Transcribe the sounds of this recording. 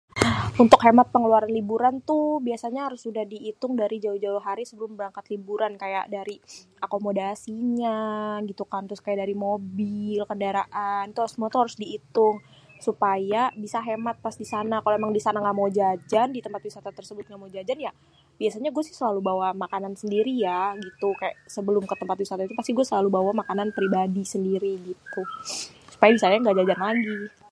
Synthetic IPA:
unt̪ʊkɦemat̪̚pəŋəluaɾanlibuɾant̪ubiasaɲaɦaɾʊsudahdiːt̪ʊŋdaɾid͡ʒauhd͡ʒauɦaɾisəbəlʊmbəɾaŋkat̪libuɾankaja̰ʔdaɾiʔakomodasiɲaɡit̪ukant̪ɾʊskajaʔdaɾimobilkəndaɾaʔant̪usmuat̪uhaɾʊsdiːt̪ʊŋ | supajabisaɦemat̪̚pasdisanakaloemaŋdisanaŋɡaʔmod͡ʒad͡ʒandit̪əmpat̪̚wisat̪at̪ərsəbʊt̪̚ŋɡaʔmad͡ʒad͡ʒanja | biasaɲaɡuɛsɪhsəlalubawamakanansəndiɾijaɡit̪ukajaʔsəbəlʊmkət̪əmpat̪̚wisat̪ait̪upast̪iɡuasəlalubawamakananpɾibadisəndiɾiɡit̪u | su̥pajabisaɲaŋɡaʔd͡ʒad͡ʒanlaɡi

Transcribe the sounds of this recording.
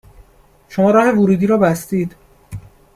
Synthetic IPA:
ʃomɒːɾɒːhe̞voɾuːd̪iːɾɒːbæst̪iːd̪̥

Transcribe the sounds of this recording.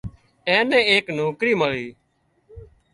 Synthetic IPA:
ɛ̃ːnɛ̃ːeːknoːkɾiːməɭiː

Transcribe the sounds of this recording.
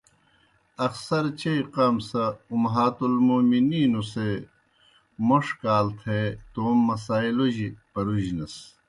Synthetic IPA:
ɐxsɐɾt͡ɕejqaːmsɐumɦaːt̪ulmuːminiːnuse | moʂkaːlt̪ʰet̪oːmːɐsaːiloʑipɐɾuʑnɐs

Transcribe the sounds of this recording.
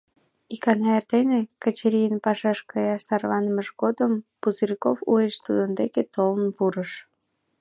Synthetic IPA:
ikɑnɑert̪enekət͡ɕeɾʲijənpɑʃɑʃkɑjɑʃt̪ɑrβɑnəməʒɡod̪əmpuzəɾikofṵeʃt̪ud̪ənd̪eket̪olənpuɾəʃ

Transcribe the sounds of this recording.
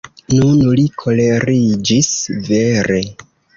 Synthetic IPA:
nunlikʰo̞le̞ɾid͡ʒisveɾe̞

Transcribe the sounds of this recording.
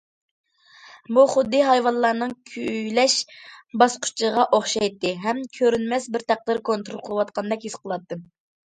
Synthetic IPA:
buχʊd̪ːɨɦɑjwɑnlˠɑɾnɨŋkʲʰyjlɛʃbɑsqʰʊ̥t͡ʃʰəʁɑʔoχʃɑjt̪ːɨɦɛmkʲʰøɾynmɛsbɪɾt̪ʰæq̚d̪ɨɾkʰont̪ɾolˠqʰəlˠwɑt̪̚qʰɑnd̪ɛkʲhisqəlˠɑt̪ːɨ

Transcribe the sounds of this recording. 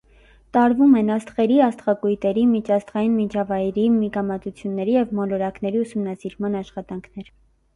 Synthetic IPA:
t̪ɑɾvumɛnɑst̪χɛɾiɑst̪χɑkujt̪ɛɾimit͡ʃʰɑst̪ʁɑjinmit͡ʃʰɑvɑjɾimikɑmɑt̪ut͡sʰjunːɛɾijɛvmɔlɔɾɑknɛɾiusumnɑsiɾmɑnɑʃχɑt̪ɑŋkʰnɛɾ

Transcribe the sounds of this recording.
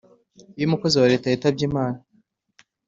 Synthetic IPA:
ijumuko̞ziwaɾetaitab̚ɟiːmaːna

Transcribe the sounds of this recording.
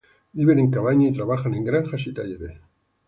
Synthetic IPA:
ibeɾiŋkaβajɲit̪ɾaβaχaniŋɡɾanχaʃit̪ajeɾe

